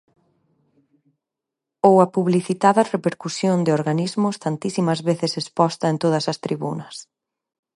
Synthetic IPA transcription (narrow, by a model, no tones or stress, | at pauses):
owɐpuβliθit̪aðɐrepeɾkusjond̪ɪoɾɣanizmʊst̪ant̪isimɐzβeθɪsespɔst̪ɐent̪oðɐsɐst̪ɾiβunɐs